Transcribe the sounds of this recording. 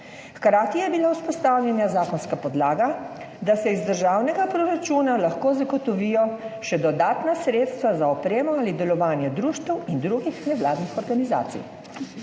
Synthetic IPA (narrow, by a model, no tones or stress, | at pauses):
xkɾaːt̪ijɛbilauspɔst̪awlʲjɛnjazaːkɔnskapɔd̪laːɡa | d̪asɛizd̪əɾʒaːwnɛɡapɾɔɾat͡ʃuːnalaxkoːzaɡɔt̪ɔʋiːjɔʃɛd̪ɔd̪aːt̪nasɾeːt̪st̪ʋazaɔpɾeːmɔalid̪ɛlɔʋaːnjɛd̪ɾuːʃt̪əwind̪ɾuɡixnɛʋlaːd̪nixɔɾɡaniza̰ːt̪sḭj